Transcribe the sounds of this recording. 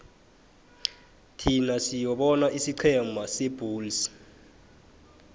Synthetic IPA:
tʰinasijɔɓɔnaʔisiǀʰɛmʱasɛbʱuːls

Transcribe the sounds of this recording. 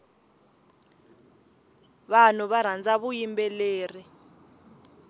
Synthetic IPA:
βanuβaɾ̤and͡zaβujimbɛleːri

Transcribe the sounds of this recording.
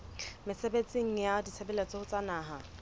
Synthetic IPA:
mɪsebet͡sʼiŋ̩jadit͡sʰebɛlet͡sʼɔhʊt͡sʼanaːɦa

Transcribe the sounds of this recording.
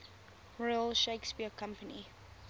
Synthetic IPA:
ɹɔɪəlʃeɪkspiəkʰãmpəni

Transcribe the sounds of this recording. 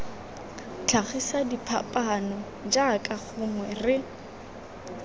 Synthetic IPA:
t͡ɬʰaχisadipʰa̰pʼanɔ | d͡ʒakʼaχʊŋwɛrɪ

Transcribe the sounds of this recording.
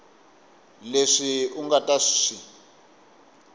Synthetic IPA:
leʂiuŋɡatʼaʂi̥ʂi

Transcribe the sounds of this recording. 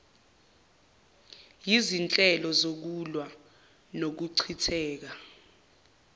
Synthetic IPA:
jizint͡ɬʼɛlɔzok̬ulwa | nok̬uǀʰitʰɛːk̬a

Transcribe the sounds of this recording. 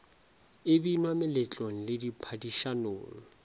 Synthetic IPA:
ɪbinwamɪlɪt͡ɬʼon̩lɪdipʰadiʃanʊːŋɔ

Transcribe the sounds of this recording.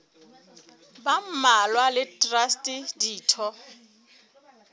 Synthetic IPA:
bam̩malwalɪtʼrastʼidiːtʰɔ

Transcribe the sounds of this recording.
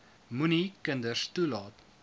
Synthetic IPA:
munikəndəstulɑːt

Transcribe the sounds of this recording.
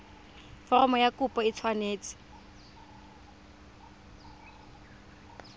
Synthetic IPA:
fɔrɔmɔjakʼupʼɔit͡sʰwaneːt͡sʼɪ̥

